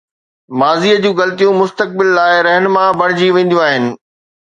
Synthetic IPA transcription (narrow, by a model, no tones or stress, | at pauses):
maːziːəd͡ʑũːɣɐlt̪ijũmʊst̪ək̚bɪlːaːɪɾɛɦnmãbʱɐɽ̤̃ɪd͡ʑiʋẽːn̆d̪jũaːɦɪnɪ̆